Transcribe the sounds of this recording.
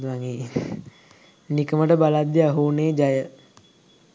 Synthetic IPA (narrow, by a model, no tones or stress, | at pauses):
aŋe | nikəməʈəbalad̪ːiaɦuːneːd͡ʒajə